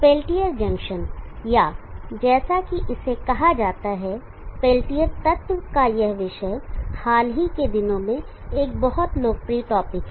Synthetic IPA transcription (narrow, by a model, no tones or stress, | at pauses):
peːlʈijəɾd͡ʒɐ̃ŋkʃənjaːd͡ʒɛːsakiʔɪsekɐɦad͡ʒaːt̪aɦɛ | peːlʈijəɾt̪ɐt̪wəkajɛɦʋɪʃəjhaːlɦiked̪ɪnõmẽ | eːk̚bɐɦʊt̪loːɡ̚pɾiːʈɔːpɪk